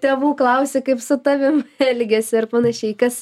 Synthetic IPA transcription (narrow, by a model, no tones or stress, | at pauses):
tʲeːʋuːklˠɐʊsʲekɐɪpsʊt̪ɑʋʲɪmɛlʲɡʲesʲɪɐrpɑnɐʃʲɛɪkɐs